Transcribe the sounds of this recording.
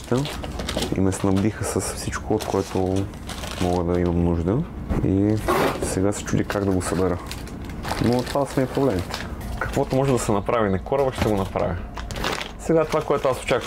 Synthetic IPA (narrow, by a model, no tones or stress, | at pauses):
t̪ə | ḭmɛsnɐbd̪ixəsəsfsit͡ʃkʰʊot̪̚kʰoɛt̪o | mɔɡəd̪ɐimɐmnuʒd̪ə | ḭ | sɛɡasɛ̥t͡ʃud̪ʲikaɡd̪ɐɡosɐbɛɾə | not̪ovad̪ɐsmɛipɾoblɛmit̪ɛ̥kɐ̥kvɔt̪omɔʒɛd̪ɐsɛnɐpɾavinɐkɔɾəbəʃt̪ɛɡonɐpɾa̰vʲi | sɛɡat̪ovakoɛt̪ʊaso̥t͡ʃak